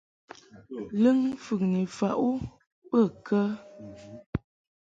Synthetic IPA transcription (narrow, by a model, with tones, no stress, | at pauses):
lə˦ŋfʉ˨k̚ni˨fa˨ʔu˦ | pə˦˨kə˦